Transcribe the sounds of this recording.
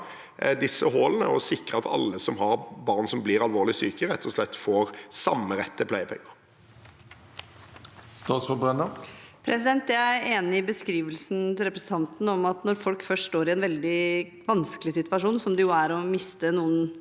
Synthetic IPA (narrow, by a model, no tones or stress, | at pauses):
d̪ɪsːəɦɔːlnə̰ɔ̰sɪkɾəɑt̪ʰɑ̰lːəsɔmhɑʁbɑːʁnsɔmbliɾɑlʋoːʁlɪsyːkəɾɛt̪ʰːɔslɛt̪ːfoːʁsɑmːəɾɛt̪ːəpʰlæɪəpʰɛ̰ŋːəʁ | st̪ɑːsfɔbʁɛnəpʰɾɛsɪd̪ɛnt̪jææɾeːnɪɪbəskɾiːʋəlsn̩t̪ɪlɾɛpɾəsət̪ʰɑnt̪n̩ɔmɑt̪nɔɾfɔlkfœʂʈʂʈoːɾɪɛnʋɛld̪ɪ | ʋɑnsklɪsɪt̪ʋɑʂuːnsɔmd̪ɛjʊæɾɔmɪst̪ənuːən